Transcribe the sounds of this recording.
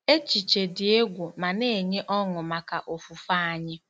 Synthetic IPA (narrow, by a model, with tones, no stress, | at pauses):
e˦t͡ʃi˨t͡ʃe˨dɪ˨e˦ɡʷu˨ma˨ne˦˨ɲe˦ʔɔ˦ŋʊ˨ma˨ka˨ʔo˨fu˨fa˦a˨ɲɪ˦